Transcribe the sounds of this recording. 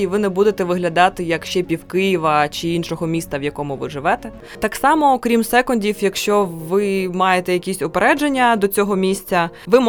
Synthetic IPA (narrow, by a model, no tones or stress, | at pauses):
iʋɪnɛbud̪et̪ɛʋɪɦlʲɐd̪ɑt̪ɪjɐkʃt͡ʃɛpʲiwkɪjiʋɐt͡ʃɪinʃɔɦɔmʲist̪ɐʋjɐkɔmʊʋɪ̰ʐɪʋɛt̪ɛ | t̪ɑksɑmɔkɾʲimsɛkɔnʲdʲiwjɐkʃt͡ʃɔʋɪmɑjet̪ɛjɐkʲisʲɔpeɾɛd͡ʒenʲːɐd̪ɔt͡sʲɔɦɔmʲisʲt͡sʲɐʋɪm